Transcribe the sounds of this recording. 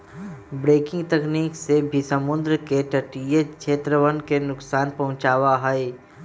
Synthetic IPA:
bɾeːkɪ̃ŋɡt̪ɛkniːksebʱisəmʊnd̪ɾəkeʈəʈijet͡ʃʰeːt̪ɾəʋənkenʊksaːnpɐɦʊ̃t͡ʃaːwaɦəe

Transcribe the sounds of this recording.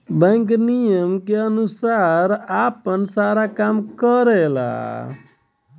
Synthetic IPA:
bɛ̃ŋknijəmkeənusaɾapənsaɾakamkəɾela̰

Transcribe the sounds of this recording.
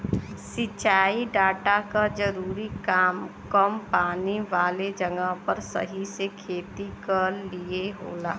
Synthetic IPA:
sɪt͡ʃaːiɖaːʈakad͡ʒɐɾuːɾikaːmkəmpaːniʋaːled͡ʒɐŋɡaɦpɐɾsɐ̰ɦisekʰeːt̪ikəlieɦo̰ːlaː

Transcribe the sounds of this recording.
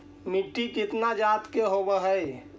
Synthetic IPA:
miʈːikit̪nad͡ʒat̪keɦobəɦəj

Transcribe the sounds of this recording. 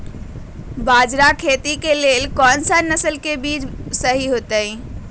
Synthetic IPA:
bad͡ʒɾakʰet̪ikelelkɔnsənəsəlkebid͡ʒsəɦiɦot̪ə

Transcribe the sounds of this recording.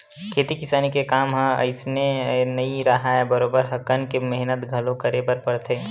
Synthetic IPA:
kʰeːt̪ikɪsaːnikekaːmɦə̃ə̰ɪsnenəiɾəɦaebəɾoːbəɾɦəkənkemɛɦnət̪ɡʱɐlõkəɾebəɾpəɾt̪ʰeː

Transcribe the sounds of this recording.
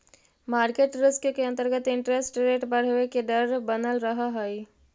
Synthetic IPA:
maːɾkeːʈɾɪskkeɐ̃nt̪əɾɡət̪ɪ̃ɳʈɾesʈɾeːʈpəɾɦoekeɖəɾbənəlɾɐɦaɦoi

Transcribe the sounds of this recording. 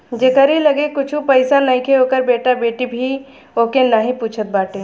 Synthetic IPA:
d͡ʒeːkəɾilɐɡekʊt͡ʃʰũpɐɪsanɐĩkʰeɦoːkəɾbeːʈabeːʈibʱi | oːkenəɦĩpuːt͡ʃʰət̪̚baːʈẽː

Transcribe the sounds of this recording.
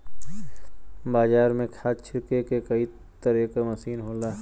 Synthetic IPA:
baːzaːɾmẽkʰaːst͡ʃʰɪɾkekekɐi | t̪ɐɾeːkamɐsiːnɦoːlaː

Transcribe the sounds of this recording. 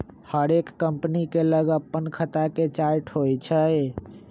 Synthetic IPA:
həɾekːəmpnikeləɡəpːənkʰət̪aket͡ʃaɾʈɦojt͡ʃʰə

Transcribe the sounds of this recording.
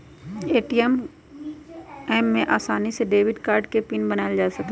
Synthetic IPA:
eːʈiəm | ɛːmːẽʔaːsaːniseɖeːʋɪɖkaːɾɖkepɪnbɐnaːeld͡ʒaːsɐke

